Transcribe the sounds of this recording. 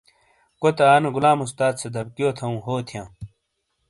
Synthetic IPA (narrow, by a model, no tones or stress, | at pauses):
kot̪aːneɡulaːmust̪aːd̪sed̪ɐbkijoːt̪ʰɐũːɦoːt̪ʰijãː